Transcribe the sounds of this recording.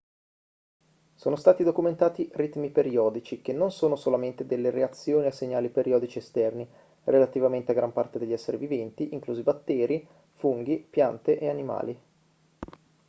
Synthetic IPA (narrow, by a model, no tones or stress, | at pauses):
soːnost̪aːt̪id̪okument̪aːt̪irit̪mipeɾiɔːd̪it͡ʃik̟enːonsoːnosolament̪ed̪elːeɾeat̪sːjoːniasːeɲːaːlipeɾjɔːd̪it͡ʃiest̪ɛrni | rʔelat̪ivament̪eaɡɾampart̪ed̪eʎːɛsːeɾivivɛnt̪iʔiŋkluːzibat̪ːɛːɾi | fuŋɡipjant̪eʔeanima̰ːli